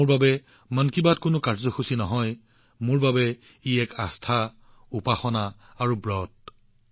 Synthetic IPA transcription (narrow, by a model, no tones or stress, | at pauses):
ʊɹbabɛ | mankibatkʊnʊkaɹzɔxusinɔɦɔj | mʊɹbabɛ | iɛkastʰa | upaxɔnaː | ɹubɹɔt̚